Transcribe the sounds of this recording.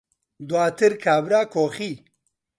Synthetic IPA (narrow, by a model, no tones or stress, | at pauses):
d̪waːt̪ʰɪɾkʰaːbɾakoxi